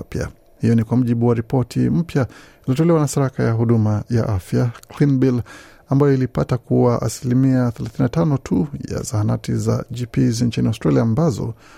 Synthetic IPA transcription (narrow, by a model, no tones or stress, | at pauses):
pia̰ | hijɔnikwam̩ʄiɓuwaɾipɔtʰḭm̩pjailiɔtɔlɛwanasiɾakajaɦuɗumaja̰ʔafjaklinbil | ambajɔilipatakuwaʔa̰silimiaθɛlaθinatanɔtʰuja̰zahanatiza̰ʄipizn̩t͡ʃiniaʊstɾaliaːmbazɔ̰